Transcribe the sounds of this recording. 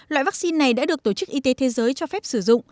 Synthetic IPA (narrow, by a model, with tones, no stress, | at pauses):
lwa̰˧˨jva˦˥k̚si˧nːa˨˩jɗa̰ː˧˥ɗɨ˨˩ək̚t̪o˧˩t͡ɕɨ˦˥k̚ʔi˧t̪e˨˦t̪ʰe˨˦zəː˨˦jt͡ɕɔ˧fɛ˦˥p̚sɨ˧˩zʊ̰˧˨ŋ͡m